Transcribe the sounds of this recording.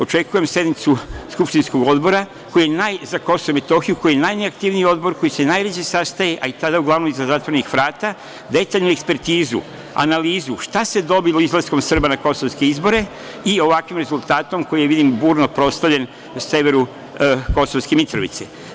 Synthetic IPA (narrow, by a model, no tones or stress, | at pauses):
o̞t͡ʃe̞kuje̞msje̞d̪nit̪suskupʃt̪insko̞ɡo̞d̪bo̞ɾa | ko̞jijenajzako̞soʋome̞t̪o̞xijuko̞jijenajneakt̪iʋniio̞d̪bo̞ɾko̞jise̞najʋet͡ɕe̞sast̪aje̞ʔait̪ad̪auɡlaʋnomizazaːt̪ʋoɾenixʋɾaːt̪a | d̪e̞t̪aʎnue̞kspe̞ɾt̪iːzṵ | a̰naliːzuʃt̪ase̞d̪o̞bilˠo̞izlˠasko̞msr̩banako̞soʋske̞izbo̞ɾe̞ | io̞ʋakʋimɾe̞zulˠt̪aːt̪o̞mko̞jijeʋid̪imbuːɾnopɾo̞st̪aʋʎe̞n | se̞ʋe̞ɾu | ko̞soʋskemit̪ɾoʋḭt̪se